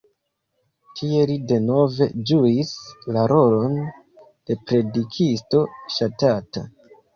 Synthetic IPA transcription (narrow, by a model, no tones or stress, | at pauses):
tʰie̞lide̞no̞ve̞d͡ʒuislaɾo̞lo̞n | d̥e̞pɾe̞dikʰisto̞ʃatata̰